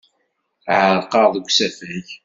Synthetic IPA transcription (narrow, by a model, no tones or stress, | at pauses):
ʕəɾqɑɾˤðˤəɡʷsæfæç